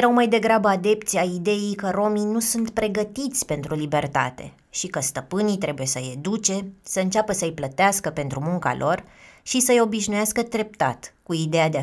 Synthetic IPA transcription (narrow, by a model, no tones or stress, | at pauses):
eɾawmajd̪e̞ɡɾabəad̪e̞p̚t̪siaid̪e̞jijkəɾo̞minusunt̪pɾe̞ɡət̪it̪sʲpe̞nt̪ɾulibe̞rt̪a̰t̪e̞ | ʃikəst̪əpɨnit̪ɾe̞buje̞səjed̪ut͡ʃe̞səɨnt͡ʃapəsəɨjplət̪easkəpe̞nt̪ɾumuŋka̰lʔo̞rʃisəjo̞biʃnujaskət̪ɾe̞p̚t̪a̰t̪kuid̪e̞jad̪e